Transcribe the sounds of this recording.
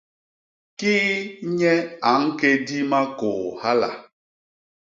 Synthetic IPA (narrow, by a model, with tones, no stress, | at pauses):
kiː˦ɲɛ˦a˨ŋ̩˦ke˦di˦ma˦kʊ˨ha˦la̰˨